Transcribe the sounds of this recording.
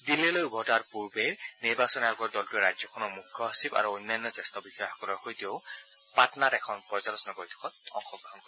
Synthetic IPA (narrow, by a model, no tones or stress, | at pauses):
dilɛlojbʱɔtaɹpuɹbɛniɹbasɔniaɡɔɹdɔltuɛɹajzɔkʰɔnɔɹmukʰːɔasiba̰ɹuonːajnːɔzɛstɔbixɔjɔxɔ̥kɔlɔɹxojtijɔʊ | patnatɛkʰɔnpɔzalɔsɔnɔkoɹitʰɔ̥kʰɔt̚ɔ̰ŋxɔɡʱɔnkɔ